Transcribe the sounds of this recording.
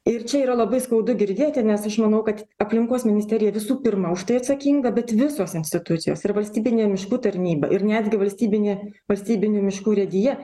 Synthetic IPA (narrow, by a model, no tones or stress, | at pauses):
ɪrt͡ʃʲɛiːɾɐlˠɐbɐɪskɐʊd̪ʊɡʲɪɾʲd̪ʲeːt̪ʲɪnʲɛsɐʃmɐnɐʊkɐt̪ | ɐpʲlʲɪŋkoːsmʲɪnʲɪsʲt̪ʲɛːɾʲɪjɛʋʲɪsuːpʲɪrmɐʊʃt̪ɐɪɐt̪sɐkʲiːŋɡɐbʲɛt̪ʋʲɪsoːsɪnʲsʲt̪ʲɪt̪ʊt̪sʲɪjoːsɪrʋɐlʲsʲt̪ʲiːbʲɪnʲeːmʲɪʃkuːt̪ɐɾʲnʲiːbɐ̰ʔɪɾnʲæd̪ʲɡʲɪʋɐlʲsʲt̪ʲiːbʲɪnʲeːʋɐlʲsʲt̪ʲiːbʲɪnʲuːmʲɪʃkuːɾʲɛd̪ʲɪjɛ